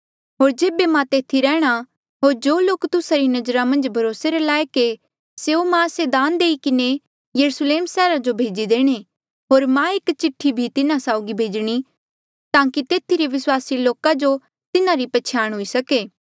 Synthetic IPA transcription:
ɦoːɾd͡ʒeːbemãt̪eːt̪ʰiɾɛːɽ̃a | ɦoːɾd͡ʒoːloːkt̪ʊsaɾinɐd͡ʒɾamɐ̃nd͡ʒbʱɐɾoːseɾelaːjke | seumãsed̪aːnd̪eːikɪne | jɐɾusleːmsɛːɾad͡ʒobʱeːd͡ʒid̪eːɽ̃e | ɦoːɾmãekt͡ʃɪʈʰːibʱit̪ɪnãsaːʊɡibʱeːd͡ʒɽ̃i | t̪ãːkit̪eːt̪ʰiɾeʋɪswaːsiloːkad͡ʒo | t̪ɪnãɾipɐt͡ʃʰaːɽ̃ɦʊisɐkeː

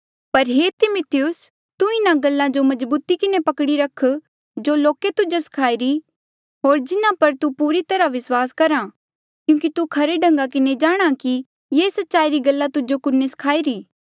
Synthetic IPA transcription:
pɐɾɦeːt̪ɪmʊt̪ʰɪjʊs | t̪uɪnãɡɐlːãd͡ʒomɐd͡ʒbuːt̪ikɪnepɐkɽiɾɐkʰ | d͡ʒoloːket̪ʊd͡ʒosɪ̥kʰaːiɾi | ɦoːɾd͡ʒɪnãpɐɾt̪upuːɾit̪ɐɾaʋɪswaːskɐɾa | kjũːk̬it̪ukʰɐɾeɖɐ̃ŋɡakɪned͡ʒaːɽ̃aki | jeːsɐtːʃaːiɾiɡɐlːat̪ʊd͡ʒokʊnːesɪ̥kʰaːiɾiː

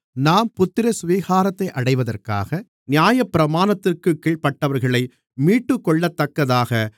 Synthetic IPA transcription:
naːmpʊt̪ːɪɾɐsʋiːɣaːɾɐt̪ːɐɪʔɐɽɐɪʋɐðɐrka̰ːɣɐ | nɪjaːjɐpːɪɾɐmaːnɐt̪ːɪrkɯkːiːɭpɐʈːɐʋɐɾɣɐɭɐɪ | miːʈːɯkːɔɭːɐt̪ːɐkːɐðaːɣɐ

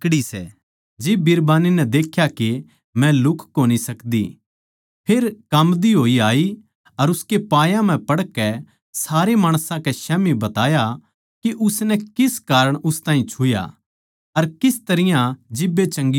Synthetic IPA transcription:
kɽisɛ̰ | d͡ʒɪbɪɾbaːninɛd̪eːkʰjaki | mɛ̃lʊkʰkoːñisɐkd̪ḭ | pʰeːɾkɐmd̪iɦoːiaːi | ɐɾʊskepaːjãm̤ɛ̃pɐɽkɛ | saːɾemaːɽ̃sãkɛʃɛːmibɐt̪aːja | kiʔʊsnɛkɪskaːɾəɽ̃ʊst̪ãːĩt͡ʃʰʊja̰ | ɐɾkɪst̪ɐɾɪjãd͡ʒɪbːet͡ʃɐ̃ŋɡ

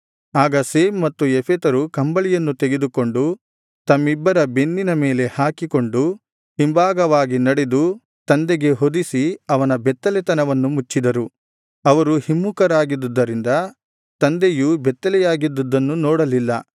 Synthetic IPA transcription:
aːɡɐseːmːɐt̪ːuepʰet̪ɐɾukɐmbɐɭijɐnːut̪eɡe̞d̪uko̞ɳɖu | t̪ɐmːibːɐɾɐbe̞nːinɐmeːle̞haːkiko̞ɳɖu | himbaːɡɐʋaːɡinɐɽed̪u | t̪ɐnd̪ɛɡe̞ɦod̪isiɐʋɐnɐbɛt̪ːɐlɛt̪ɐnɐʋɐnːumut͡ʃːid̪ɐɾu | ɐʋɐɾuhimːukɐɾaːɡid̪ud̪ːɐɾind̪ɐ | t̪ɐnd̪ejubɛt̪ːɐlɛjaːɡid̪ːud̪ːɐnːunɔːɽɐlilːɐ

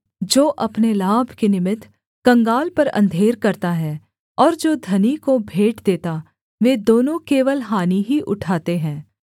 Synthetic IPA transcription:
d͡ʒoːʔɐpnelaːbʱkenɪmɪt̪ʰ | kɐ̃ŋɡaːlpɐɾɐ̰̃nd̪ʱeːɾkɐɾt̪aɦɛ | ɔːɾd͡ʒoːd̪ʱɐnikobʱeːʈd̪eːt̪a | ʋeːd̪oːnõkeːʋəlɦaːniɦiʔʊ̰ʈʰaːt̪eɦɛ̃ː

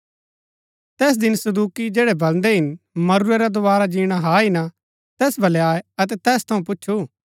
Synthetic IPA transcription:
t̪ɛːs̬d̪ɪnsɐd̪uːkid͡ʒɛːɽɛbɐlnd̪ɛɦɪnmɐɾuɾeɾad̪ʊʋaːɾad͡ʒiːɽ̃aɦaːɦɪna | t̪ɛːsbʱɐleaːeɐt̪ɛt̪ɛːst̪ʰɐũp̬ʊtːʃʰu

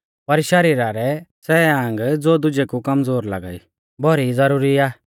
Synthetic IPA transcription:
pɐɾʃɐɾiːɾaɾɛt͡sɛːãːŋɡd͡zoːd̪ʊd͡ʒekukɐmd͡zoːɾla̰ɡa̰ːḭ | bʱɔɾid͡zɐɾuːɾiaː

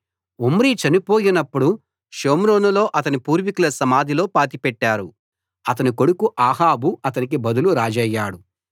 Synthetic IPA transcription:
omɾit͡ʃɐnipo̞ːjinɐpːuɽu | ʃoːmɾo̞ːnulo̞ːʔɐt̪ɐnipuːɾʋikulɐsɐmaːd̪ʱilo̞ːpaːt̪ipɛʈːaːɾu | ɐt̪ɐniko̞ɽukuʔaːɦaːbuɐt̪ɐnik̬ibɐd̪uluɾaːd͡ʒɛjːaːɽu

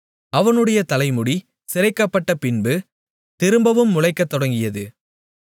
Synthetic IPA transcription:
ɐʋɐnɯɽɐjɐt̪ɐlɐɪmʊɽi | sɪɾɐɪkːɐpːɐʈːɐpɪnbɯ | t̪ɪɾɯmbɐʋɯmːʊlɐɪkːɐt̪ːɔɽɐŋɡɪjɐðɯ

